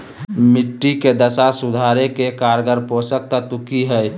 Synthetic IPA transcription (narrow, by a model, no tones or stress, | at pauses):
mɪʈːiked̪əsasʊd̪ʱaːɾekekaːɾɡəɾpõːsək̚t̪at̪ʊkiɦɛ